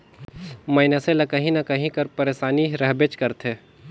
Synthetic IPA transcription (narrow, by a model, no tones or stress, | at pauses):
mɐɪnaselɐkɐɦĩnɐkɐɦĩkɐɾpɐɾeːsaːniɾɐɦbet͡ʃkɐɾt̪ʰeː